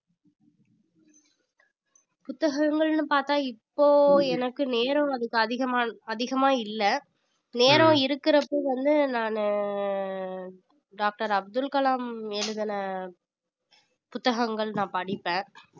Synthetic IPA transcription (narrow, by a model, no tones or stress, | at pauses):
pʊt̪ːɐɣɐŋɡɐɭnɯpaːɾt̪ãːɪpːoːɛnɐkːɯneːɾɔ̃ɐðɯkːɯɐðɪɣɐmaːɐðɪɣɐmaːɪlːɐ | neːɾõɪɾɯkːɪɾɐpːoːʋɐnd̪ɯnaːn | ɖaːk̚ʈɐɾɐb̚d̪ɯlkɐlaːmɛlɯðɐnɐ | pʊt̪ːɐɣɐŋɡɐɭnãːpɐɽɪpːẽː